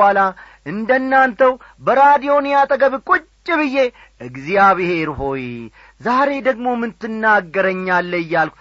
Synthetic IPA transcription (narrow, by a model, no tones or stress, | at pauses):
ala | ʔɨnd̪ənːant̪ʰəw | bəɾad̪ijo̞njat̪ʼəɡəβkʼut͡ʃʼːɪβɨjːe̞ | ʔɨɡzijaβɨhe̞ɾho̞j | zaɾe̞d̪əɡmo̞mɨnt̪ʰːɨnːaɡːəɾəɲːalːəjːalkʷu